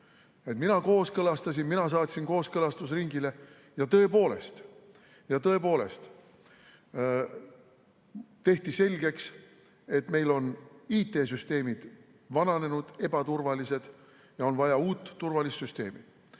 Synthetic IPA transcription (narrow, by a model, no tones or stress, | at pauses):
et̪minɑko̞ːskɤlɑst̪ɑs̬inminɑs̬ɑːt̪sʲinko̞ːskɤlɑst̪usriŋɡile̞ | jɑt̪ɤ̞e̞po̞ːle̞̰st̪ | jɑt̪ɤ̞e̞po̞ːle̞̰st̪ | t̪e̞ht̪ise̞lʲɡe̞ks | e̞t̪me̞jlo̞niːt̪ːˑe̞ːs̬yst̪e̞ːmid̪̥ | vɑnɑne̞nud̪̥e̞bɑt̪urvɑlise̞d̪̥ | jɑo̞nvɑjɑuːt̪ːurvɑlistsyst̪e̞ːmḭ̥